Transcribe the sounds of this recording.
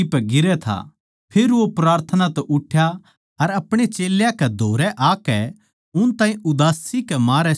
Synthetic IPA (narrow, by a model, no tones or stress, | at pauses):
ipɛɡɪɾɛt̪ʰa̰ | pʰeːɾʋopɾaːɾt̪ʰənat̪ɛʔʊʈʰːja | ɐɾɐpɽ̃et͡ʃeːljãkɛd̪ʱoːɾɛʔaːkɛ | ʊnt̪aːĩʔʊd̪aːsikɛmaːɾɛ